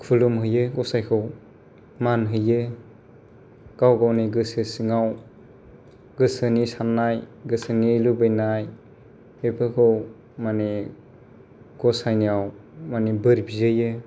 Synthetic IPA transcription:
kʰulumɦɯjɯɡɔsajkʰɯw | manɦɯjɯ | ɡ̥awɡawniɡɯsɯsiŋaw | ɡɯsɯnisanːajɡɯsɯnilubɯjnaj | bepʰɯkʰɯw | mani | ɡ̥ɔsajniawmanibɯɾbizɯjɯ

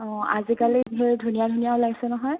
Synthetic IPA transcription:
ɔ̃azikaliɦeɹdʱunijadʱunijaʊlaɡisɛnɔɦɔj

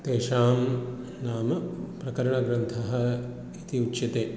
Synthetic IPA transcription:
t̪eːʃaːm | naːmɐpɾɐkɐɾɐɳɐɡɾɐnt̪ʰɐɦɐ̆ | it̪iut͡ʃːʃɐt̪eː

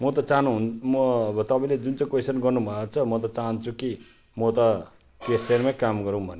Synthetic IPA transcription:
mʌt̪ʌt͡saɦnuɦunmʌbʌt̪ʌpaĩled͡zunt͡sãkojsʌnɡʌrnubʱʌt͡sʰʌmʌt̪̬ʌt͡saɦʌnt͡sʰuki | mʌt̪ʌ | kesermakamɡʌɾũw̃bʱʌne

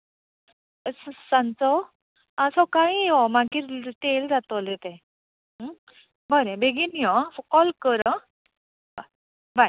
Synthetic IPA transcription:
ssãnt͡sɔ | asɔkaiɔmaɡiɾʈeld͡zat̪ɔlet̪ɛ̃ | bəɾẽbeɡinijɔ̃fkɔlkəɾə̃ | ba | baj

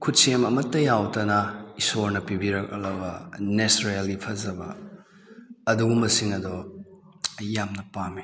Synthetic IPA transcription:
kʰut̚semɐmɐtːɐjawtɐnɐisoɾnɐpibiɾɐk̚ɐlɐbɐnesɾalipʰɐzɐbɐ̰ | ɐduɡumɐsiŋɐdɔ | ɐjamnɐpami

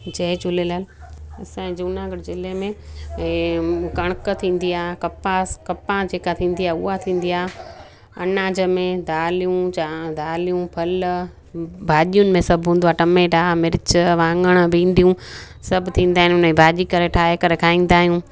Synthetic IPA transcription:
d͡ʑɐɦt͡ɕʊlelaːl | ɐsãd͡ʑuːnãɡɐʈzɪlemẽ | kɐɽ̃əkt̪ʰĩːn̆d̪iaːkɐpakɐpãd͡ʑeːkat̪ʰĩːn̆d̪iaːʊ̰at̪ʰĩːn̆d̪iaː | ɐ̰naːd͡ʑəmẽd̪aːlijũad̪aːlijũpʰɐl | bʱaːʄijʊnɪ̆mẽsɐbʱɦũːnd̪oaːʈɐmẽːʈaːmɪɾɪt͡ɕəʋãːŋɡəɽ̃bĩːnd̪ijũ | sɐbʱt̪ʰĩːnd̪aːɦɪnʊnibʱaːʄikɐɾeʈʰaːekɐɾekʰaːĩːn̆d̪aːɦijũː

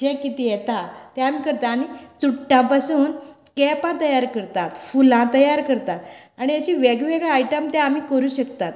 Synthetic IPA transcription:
d͡ʑẽkit̪ijɛt̪at̪ɛ̃am̤iːkəɾt̪aːɽ̃it͡suʈːãpasuːnkɛpãt̪əjaɾkəɾt̪at̪fulãt̪əjaɾkəɾt̪at̪ | aɽ̃iəɕiʋɛɡʋɛɡɭaajʈəmt̪ɛ̃amiːkəɾuːɕəkt̪at̪

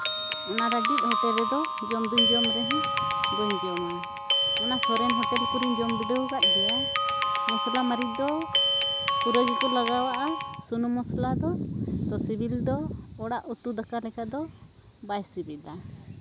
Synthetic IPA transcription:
ɔnaɾaɡit̪̚ˀhɔt̪ɛbɛd̪ɔ | d͡ʒɔmd̪uɲd͡ʒɔmɾɛɦɛ̃ɡɔɲd͡ʒɔma | ɔnasɔɾɛnɦɔt̪ɛlkuɾiɲd͡ʒɔmbid̪ɔɡaʔ̚ɡɛa | mɔslamaɾid̪ɔ | puɾɔɡikɔlaɡawaʔasunɔmɔslad̪ɔt̪ɔsibʱild̪ɔːɽaʔut̪ud̪akalɛkad̪ɔ | bajsibɛd̪a

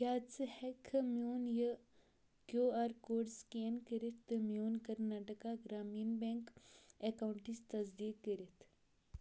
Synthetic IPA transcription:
jaːt͡sɨhekʰɐmjoːnjə | kjoːaːɾkoːɖskeːnkəɾit̪ːmjoːnkɐɾnaːʈəkaɡɾaːmiːnbeŋkekawɳʈist̪ɐzd̪iːkːəɾit̪ʰ

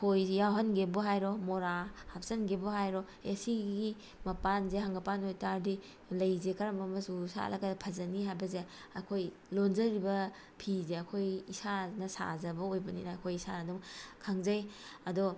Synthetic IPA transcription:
kʰojjawɦɐnɡebuɦajɾɔmoɾahap̚sɐnɡebuɦajɾɔ | esiɡi | mɐpanzeɦaŋɡɐpanojtaɾdi | lɐjzekaɾɐmɐmɐsusa̰lɐ̰ɡɐpʰɐzɐniɦajbɐze | ɐkʰoj | lonzɐɾibɐ | pʰizeɐkʰojisanɐsa̰zɐbɐojbɐnḭnaːkʰojisanɐduŋkʰaŋzɐjɐdɔ

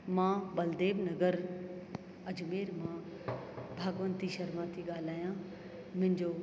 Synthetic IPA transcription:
mãːbɐld̪eːbnɐɡəɾ | ɐd͡ʑmeːɾmãː | bʱaːɡʋənt̪iʃɐɾmãːt̪ʰiɠaːl̤aːjã | mʊ̃ɦɪ̃ɲd͡ʑoː

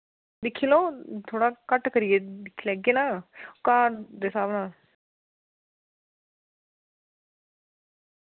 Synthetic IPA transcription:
d̪ɪkʰːiːlõːt̪ʰoːɽaːkəʈkəɾijeːd̪ɪkʰːilɛːɡeːnãːkaːɾd̪eːsaːʋnãː

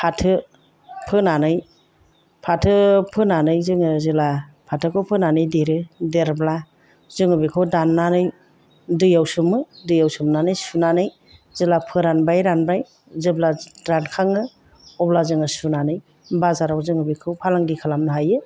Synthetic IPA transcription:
pʰatʰɯ | pʰɯnanɯj | pʰatʰɯpʰɯnanɯjzɯŋɯzɯla | pʰatʰɯkʰɯwpʰɯnanɯjdeɾɯdeɾbla | zɯŋɯbikʰɯwdanːanɯj | dɯjawsumɯdɯjawsumnanɯjsunanɯj | zɯlapʰɯɾanbajɾanbaj | zɯblaɾankʰaŋɯ | ɔblazɯŋɯsunanɯj | bazaɾawzɯŋɯbikʰɯwpʰalaŋdikʰalamnɯɦajɯ

